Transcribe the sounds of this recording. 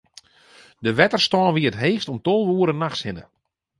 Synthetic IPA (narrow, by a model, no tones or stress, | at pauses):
dəʋɛtərstɔːnʋiətɦeːstɔmtolˠʋuːəɾənaxshɪnə̰